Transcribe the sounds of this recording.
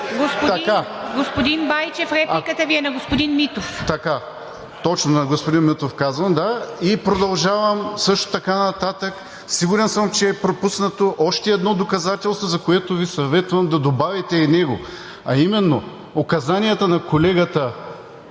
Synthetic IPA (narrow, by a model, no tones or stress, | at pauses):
ɡospoɐkaɡospod̪inbajt͡ʃɛfɾɛpkət̪ɐviɛnɐɡospʊd̪inmit̪oft̪ɐka | t̪ɔt͡ʃnonɐɡospod̪inmit̪ofkazvɐmd̪aipɾod̪ɐlˠʒavɐmsɤʃt̪o̥t̪ɐkanɐt̪at̪ək | siɡʊɾɛnsəmt͡ʃɛːpɾopusnɐt̪oʔɔʃt̪ɛɛd̪nɔd̪okɐzat̪ɛlˠst̪vozɐkoɛt̪ovisɐvɛt̪vɐmd̪ɐd̪obavit̪ɛinɛɡo | ɐimɛnːo | okɐzaniət̪ənɐkolɛɡɐt̪ə